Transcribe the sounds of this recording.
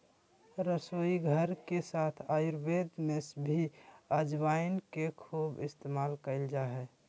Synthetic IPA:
ɾəsoiɡʱəɾkesat̪ʰaːjuɾbed̪mesbʱiəd͡ʒbaɪnkekʰuːbɪst̪emaːlkəɪld͡ʒaɦɛ

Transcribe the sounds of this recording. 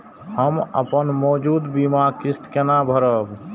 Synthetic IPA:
həmə̰pənmɔːd͡ʒuːd̪bimakɪst̪kenabʱəɾəb

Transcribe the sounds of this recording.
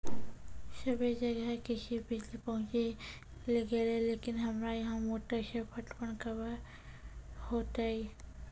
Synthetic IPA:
səbed͡ʒɐɡəɦɛkɪsibɪd͡ʒlipɐɦʊ̃t͡ʃe | leɡelɛleːkɪnɦɐmɾajɐɦãmoːʈəʃəpʰəʈpəɳkəb | hoːt̪ai

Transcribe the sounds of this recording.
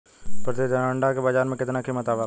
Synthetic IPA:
pɐɾt̪ed̪ɐɾãːɳɖakebəd͡ʒaːɾmẽkɪt̪nakʰemət̪aːʋa

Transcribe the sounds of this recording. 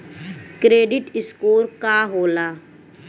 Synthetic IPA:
kɾeːɖɪʈɪskoːɾkaɦoːlaː

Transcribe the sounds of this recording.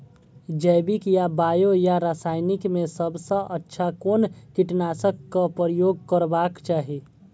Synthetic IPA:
d͡ʒəɪbikjabajojaɾasaɪnikmesəbsə̃ʔətːʃʰakonkiʈnasəkːapɾəjoɡ̚kəɾbakt͡ʃaːɦi

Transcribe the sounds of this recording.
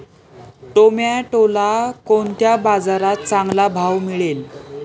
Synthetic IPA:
ʈomjaʈolakont̪jabad͡zaɾat̪̚t͡saŋɡlabʱawmiɭel

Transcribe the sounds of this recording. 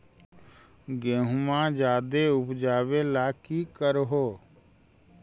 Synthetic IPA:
ɡẽːɦʊmãd͡ʒaːd̪eʊpd͡ʒaːʋelaːkikəɾɦoː

